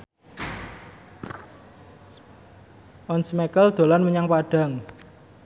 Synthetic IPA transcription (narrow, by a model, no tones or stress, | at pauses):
ʔɔnsmekəld̪̥o̤lanməɲaŋpaɖ̥a̤ŋ